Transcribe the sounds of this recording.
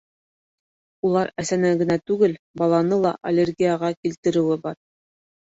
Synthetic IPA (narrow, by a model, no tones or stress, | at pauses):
ulˠɑɾæsænæŋɡɘ̆næt̪ʉɡɘl | bɑlˠɑnɤlˠɑʔɐlʲerɡʲijaʁɑkilt̪ɘ̆ɾɘ̆wɘbɑɾ